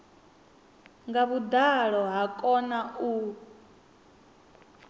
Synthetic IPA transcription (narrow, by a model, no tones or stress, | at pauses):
ŋɡaβud̪aɺɔɦakʼɔnau